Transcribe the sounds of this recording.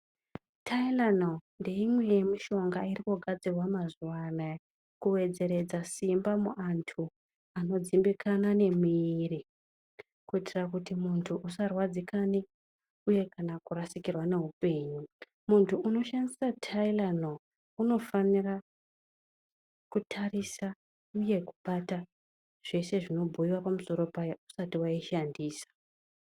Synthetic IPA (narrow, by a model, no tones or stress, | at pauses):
tʰailanonde̞imwe̞jemiʃo̞ŋɡairikoɡʱad͡zirwamazuwana | kuwe̞d͡ze̞ɾe̞d͡zasimbamuʔantʰu | ano̞d͡zimbikʰanane̞miri | kuitirakutimuntʰuʔusarwad͡zikani | uje̞kanakuɾasikirwane̞ɦupe̞ːɲu | muntʰuuno̞ʃandisatʰailano | uno̞fanira | kutʰarisa | uje̞kuɓata | ʐ̥e̞se̞ʐino̞bʱoiwapamuso̞ɾo̞pajausatiwaiʃandiːsḁ